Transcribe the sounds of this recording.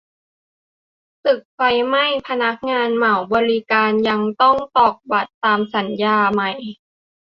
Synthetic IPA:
t̪ɯ˨˩k̚fa˧jma˥˩jpʰa˧na˦˥k̚ŋaː˧nma˩˦wbɔː˧li˦˧˥kaː˧nja˧ŋt̪ɔ˥˩ŋt̪ɔː˨˩k̚ba˨˩t̪ːaː˧msa˩˦njaː˧ma˨˩j

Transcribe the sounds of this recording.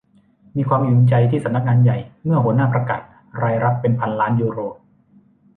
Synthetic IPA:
miː˧kʰwaː˧mjuː˨˩nt͡ɕa˧jt̪ʰiː˥˩sa˩˦mna˦˥k̚ŋaː˧nja˨˩jmɯ˥˩ɐɦu˩˦ənaː˥˩pɾa˧ka̰ː˨˩t̪̚ | ɾaː˧jɾa˦˥p̚ːe˧npʰa˧nlaː˦˥njuː˧ɾoː˨˩p̚

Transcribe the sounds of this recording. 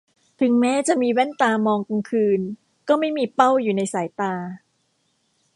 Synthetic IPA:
t̪ʰɯ˨˩˦ŋmɛː˦˥t͡ɕa˨˩ʔmiː˧wɛ˥˩nt̪aː˧mɔː˧ŋko˧ŋkʰɯː˧n | kɔː˥˩ma˥˩jmiː˧pa˥˩wjuː˨˩na˧jsaː˩˦jt̪aː˧

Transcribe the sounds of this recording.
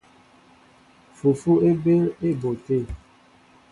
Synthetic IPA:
fu˨fu˦e˦be˦ɾe˦bo˨te˦˨

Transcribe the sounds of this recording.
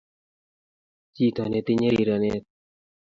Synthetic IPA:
t͡ɕiː˥˨t̪ʰa˨neː˨t̪e˨ɲe˥˨ɾiː˨ɾa˨neː˨

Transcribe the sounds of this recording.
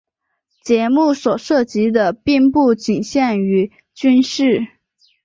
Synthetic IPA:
t͡ɕjɛ˧˥mu˥˩swɔ˨˩ʂɤ˥˩t͡ɕi˧˥d̪ə˧pi˥˧ŋpu˥˩t͡ɕi˨˩nɕjɛ˥˩ny˧˥ | t͡ɕy˥nʂɻ̩˥˩

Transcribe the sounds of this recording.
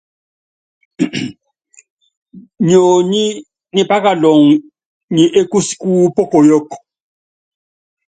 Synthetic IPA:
ɲo˨ɲi˦ | ni˨pʼa˦ka˨lɔ˨ŋ˨ | ɲi˨ʔe˦ku˦si̥˦kʼu˦pʼɔ˦kʼɔ˨jɔ˦kːɔ̥˨

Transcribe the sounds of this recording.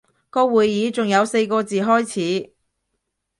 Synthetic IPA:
kɔː˧wuː˨jjiː˨˥t͡sʊ˨˩ŋjɐ˨˧wse˧jkɔː˧t͡siː˨ɦɔː˥jt͡sʰiː˨˥

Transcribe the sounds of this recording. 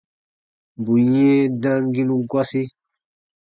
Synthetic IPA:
bu˨jɛ̃˦dã˦ŋ˦ɡĩ˦nũ˦ɡwɔ˦si˦

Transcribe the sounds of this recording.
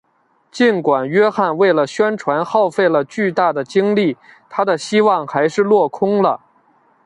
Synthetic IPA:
t͡ɕi˥˩nkwa˨˩nɥɛ˥xa˥˧nwe˥˩ɪlə˩ɕɥɛ˥nʈ͡ʂʰwa˧˥nxɑ˥˧ʊfe˥˩ɪlə˩t͡ɕy˥˧t̪a˥˩d̪ə˩t͡ɕi˥ŋli˥˩ | t̪ʰa˥d̪ə˨ɕi˥wɑ˥˩ŋxa˧˥ɪʂɻ̩˥˧lwɔ˥˩kʰʊ˥ŋlə˨˩

